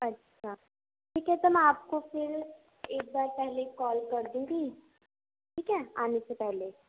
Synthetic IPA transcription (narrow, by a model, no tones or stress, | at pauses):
ɐtːʃʃʰaː | ʈʰiːkɦɛt̪ʊmɛ̃aːp̚kofɪɾ | eːk̚baːɾpɛɦlekɔːlkɐɾd̪iũɡi | ʈʰiːkɦɛːaːnesepɛɦle